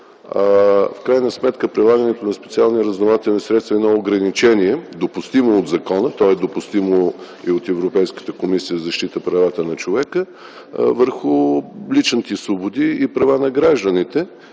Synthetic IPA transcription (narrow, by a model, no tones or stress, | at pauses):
afkɾajnəsmɛt̪kəpɾilˠaɡənɛt̪onɐspɛt̪sialˠniɾəznɐlˠat̪ɛnɛsɾɛt̪st̪vɐɛnɔoɡɾɐnit͡ʃɛniɛd̪opʊst̪imoːd̪zɐkɔnət̪ɔɛd̪opʊst̪imo | iot̪ɛvɾopɛjskə̥t̪əkomisijəzɐʃt̪it̪əpɾɐvat̪ənɐt͡ʃovɛkə | vəɾxʊlit͡ʃnit̪isvobʊd̪iːpɾɐvanɐɡɾaʒd̪ənit̪ɛ